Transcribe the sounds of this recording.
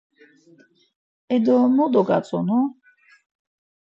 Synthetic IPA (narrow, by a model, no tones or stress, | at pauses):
ɛd̪ɔmɔd̪ɔɡat͡sʼɔnɔ